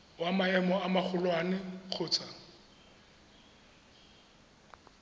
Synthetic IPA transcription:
wamaɛmɔamaχʰʊlwanɪk͡xʰʊːt͡sʰa

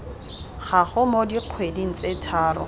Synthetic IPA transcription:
χaχʊmodiq͡χʰwediŋ̩t͡sʼetʰaːɾɔ̰

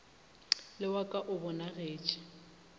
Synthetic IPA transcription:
lɪwakʼaʔʊbʊnaɣeːt͡ʃʼɪ̥

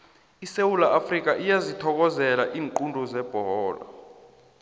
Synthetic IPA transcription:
isewulaʔafrik̬ʼaʔijazitʰɔk̬ɔzɛlaʔiːŋǃundʱɔzɛb̥ʱɔɔːla̰

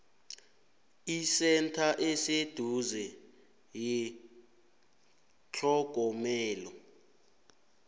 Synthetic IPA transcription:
isɛntʰaʔesed̥ʱuzɛ | ji | t͡ɬʰɔɡ̥ʱɔmɛːlɔ

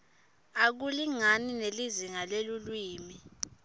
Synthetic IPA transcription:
ak̬uliŋanineliziŋalelulwiːmi

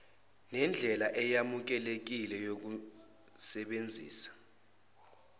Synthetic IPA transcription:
nɛnd͡ɮʱɛlaʔɛjamuk̬ɛlek̬ilɛjok̬u | sɛɓend͡zʱiːsḁ

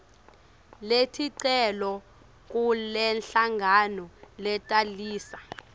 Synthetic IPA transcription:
letʰiǀɛlɔ | k̬ʼulɛnɬaŋʱanɔlɛtʼaliːsa

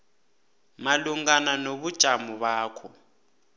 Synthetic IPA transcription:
maluŋananoβud̥ʒ̥ʱamɔβaːkʰɔ

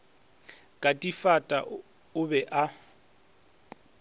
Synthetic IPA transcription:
kʼatʼifatʼa̰ | ʊbɛʔa

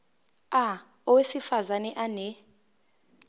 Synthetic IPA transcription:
a | ɔwesifazanɛʔanɛ

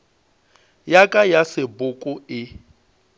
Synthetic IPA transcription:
jakʼajasɪbʊkʼʊɪ

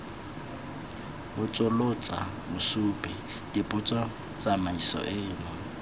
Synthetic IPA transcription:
bʊt͡sʼʊlʊt͡sʼa | mʊsuːpʼɛ | d̥ipʼʊt͡sʼwa | t͡sʼamaisɔ̰ʔɪːnʊ

